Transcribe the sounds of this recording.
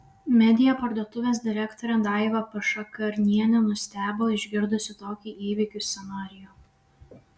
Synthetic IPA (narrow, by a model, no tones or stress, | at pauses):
mʲɛd̪ʲɪjopɐɾd̪uɔt̪ʊʋʲeːs̬d̪ʲɪɾʲækt̪ɔɾʲɛd̪ɑˑɪʋɐpɐʃɐkɐɾʲnʲiɛnʲɛnʊsʲt̪ʲæːbʲoːɪʒʲɡʲɪɾd̪ʊsʲɪt̪oːkʲiiːʋʲɪkʲʊsʲsʲɛnɑːɾʲɪjoː